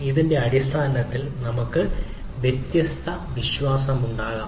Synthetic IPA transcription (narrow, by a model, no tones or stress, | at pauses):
iðinde̞ɐɽist̪ʰaːnɐt̪ːilnɐmukːɨ | ʋjet̪jɐst̪ʰɐʋiɕʋaːsɐmuɳɖaːɣaː